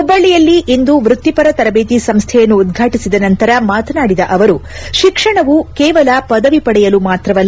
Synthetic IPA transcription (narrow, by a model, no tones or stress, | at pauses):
ubːɐɭːijɐlːiʔind̪uʋɾut̪ːipɐɾɐt̪ɐɾɐbe̞ːt̪isɐmst̪ʰɛjɐnːuːd̪ɡʱaːʈisid̪ɐnɐnt̪ɐɾɐmaːt̪ɐnaːɽid̪ɐʔɐʋɐɾu | ʃikʂɐɳɐʋukɛːʋɐlɐpɐd̪ɐʋipɐɽɛjɐlumaːt̪ɾɐʋɐlː